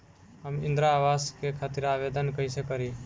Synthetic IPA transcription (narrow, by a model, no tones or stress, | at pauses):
ɦəmɪ̃nd̪ɾaːʋaːskekʰaːt̪ɪɾaːʋed̪ənkəisekəɾi